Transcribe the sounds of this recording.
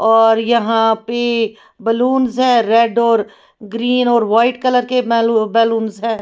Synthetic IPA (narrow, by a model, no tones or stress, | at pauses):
ɔːɾjəɦãpe | bəluːnzɦɛ̃ːɾɛɖɔːɾ | ɡɾiːnɔːɾʋaːɪʈkələɾkebɛːluːnzɦɛ̃ː